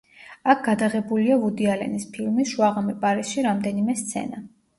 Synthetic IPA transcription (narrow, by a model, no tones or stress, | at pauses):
akʰɡ̥ad̪aʁɛbuliavud̪ialɛ̰nispʰilˠmisʃuaʁamɛpʼaɾisʃiɾamd̪ɛnimɛst̪sʰɛ̰na